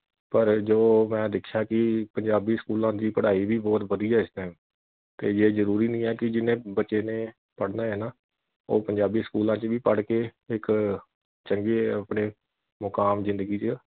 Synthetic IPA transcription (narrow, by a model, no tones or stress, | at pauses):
pəɾd͡ʒoːmɛ̃ːd̪ɪkʰːjaːkɪpəɲd͡ʒaːbiːskuːlãːd̪iːpəɽaːiːbiːbɔːt̪ʋəd̪iːɛːɪst̪ãːm | t̪eːd͡ʒeːzəɾuːɾiːnĩːɛːkɪd͡ʒɪnẽːbətːt͡ʃeːneː | pəɽnaːɦɛːnaː | oːpəɲd͡ʒaːbiːskuːlãːt͡ʃəʋiːpəɽkeːɪk | t͡ʃəŋɡeːəpɳeː | mʊkaːmzɪ̃nd̪əɡiːt͡ʃə